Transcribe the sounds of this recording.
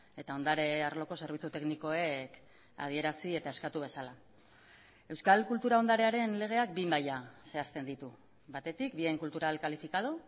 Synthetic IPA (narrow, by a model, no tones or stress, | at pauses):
e̞t̪ao̞nd̪aɾe̞arlo̞ko̞se̞ɾβit͡sut̪e̞kniko̞e̞k | a̰ðie̞ɾasie̞t̪ae̞skat̪uβ̞e̞sala | e̞wskalkult̪uɾao̞nd̪aɾe̞aɾe̞nle̞ɣ̞e̞ak̚bimbajase̞ast̪e̞nd̪it̪u | βat̪e̞t̪ikbie̞ŋkult̪uɾalkalifikað̞o